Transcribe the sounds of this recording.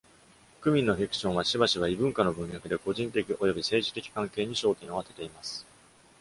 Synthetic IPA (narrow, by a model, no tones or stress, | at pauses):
kɯ̟mʲĩnːo̞ɸʲikɯ̟̥ɕõ̞ɰ̃βaɕibaɕiβ̞aibɯ̟̃ŋkano̞bɯ̟̃ɰ̃jakɯ̟d̪e̞ko̞ʑĩnt̪e̞kʲiʔo̞jo̞bʲise̞ːʑi̥t̪e̞kʲi̥kãŋke̞ːɲ̟iɕo̞ːt̪ẽɰ̃o̞at̪e̞t̪e̞imasɨ̥